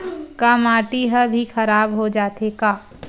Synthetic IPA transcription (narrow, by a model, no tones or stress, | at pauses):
kamaːʈiɦəbʱixɐɾaːbɦod͡ʒaːt̪ekaː